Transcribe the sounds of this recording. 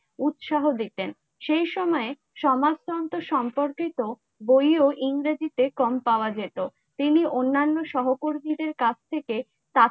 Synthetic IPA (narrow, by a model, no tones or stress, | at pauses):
ut̪ʃaɦod̪it̪en | ʃejʃɔmɔe | ʃɔmast̪ʰɔnt̪oʃɔmpoɾkit̪o | bojoʔiŋɾed͡ʑit̪ekɔmpaoad͡ʑet̪o | t̪iniʔonːanːoʃɔɦokoɾmid̪eɾkat͡ɕʰt̪ʰeke | t̪a